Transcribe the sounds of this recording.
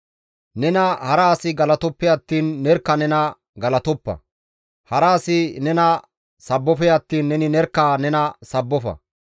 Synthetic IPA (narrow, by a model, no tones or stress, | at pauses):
nɛnɐhɐɾaːsɪɡɐlɐt̪ɔpːɛɐt̪ːiːnːɛɾkːɐnɛnɐ | ɡɐlɐt̪ɔpːɐ̰ | hɐɾaːsɪnɛnɐ | sɐbːɔfɛjɐt̪ːiːnːɛnɪnɛɾkːaːnɛnɐsɐbːɔfɐ̰